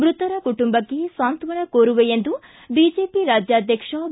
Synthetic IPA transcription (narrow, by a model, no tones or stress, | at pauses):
mɾut̪ɐɾɐkuʈumbɐkːesaːnt̪ʋɐnɐkoːɾuʋejend̪u | biːd͡ʒeːpiɾaːd͡ʒjaːd̪ʱjɐkʂɐ